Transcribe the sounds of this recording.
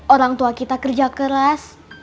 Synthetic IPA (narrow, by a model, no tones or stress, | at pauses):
oɾaŋt̪uakit̪akərd͡ʒakəɾas